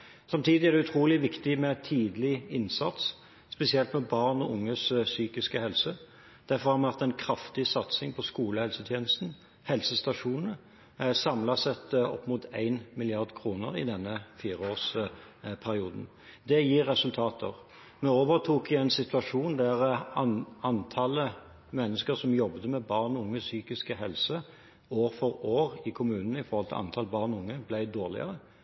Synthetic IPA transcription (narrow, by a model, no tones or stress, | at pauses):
sɑmt̪ʰiːd̪ɪæʁd̪ɛʉt̪ʰɾuːlɪʋɪkt̪ɪmɛt̪ʰiːd̪lɪɪnsɑt̪s | spɛsɪɛlt̪mɛbɑʁnɔʊŋːəssyːkɪskəhɛlsə | d̪̥æɾfɔɾʁhɑmɛʋɛʁt̪ɛɪnkʰɾɑft̪ɪsɑt̪sɪŋpʰɔskuːləhɛlsət̪ʰjeːnəst̪n̩ | hɛlsəst̪ɑʂuːnnə | sɑmlɑsɛt̪ɔ̰pːmʊt̪ʰæ̰ɪnmɪlɪɑʁd̪kʰɾuːnəɾɪ̰d̪ɛnːəfiːʁəoːʁs | pʰæɾɪuːd̪n̩ | d̪ɛjiːɾːɛsʉlt̪ʰɑːt̪ʰəʁ | mɛoːʋəʁt̪ʰuːkɪɛɪnsɪt̪ʉɑʂuːnd̪æʁɑɑnt̪ʰɑlə | mɛnːəskəʁsɔmjɔbd̪əmɛbɑʁnʊŋːəsyːkɪskəɦɛlsə | oːʁfɔɾoːʁɪkʰʊmʉːnn̩əɪfɔɾhɔlt̪ɪl̰ʔɑ̰nt̪ʰɑləbɑːʁnʊŋːəblæɪd̪oːʁlɪ̰ə̰ʁə